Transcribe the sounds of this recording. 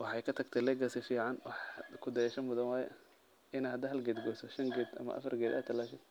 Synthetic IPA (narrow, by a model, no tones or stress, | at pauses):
wɑħɑjkʰɐt̪ʰɐɡt̪ʰɛlɛɡɐsɛfiːʕɑnwɑħkʰʊd̪ɐjɛːʃɐmʊðɐnwɑːjɛ | ɪnahɐd̪ɐɦɐlɡɛːd̪ɡɔːsɐʃɐŋɡɛːd̪ɐ̰mɐ̰ʔɐ̰fɐrɡɛːd̪a̰ːt̪ʰːɐlaːʃɐd